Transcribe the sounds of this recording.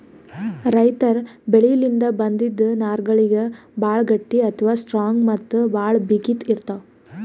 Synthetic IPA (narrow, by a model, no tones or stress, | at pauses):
ɾɐjt̪ɐɾbeɭijɐlind̪ɐbɐnd̪id̪ːunaːɾɡɐɭiɡebaːɭɡɐʈːiɐt̪ʰʋaːsʈɾaːŋɡmɐt̪ːubaːɭbiɡit̪iɾt̪a